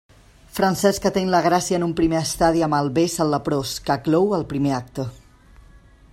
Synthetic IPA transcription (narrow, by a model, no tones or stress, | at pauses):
fɾənsɛskət̪eŋləɣ̞ɾasiəːnumpɾimeəst̪aðiəməlˠβesəlːəpɾoskəklɔwəlˠpɾimeak̚t̪ə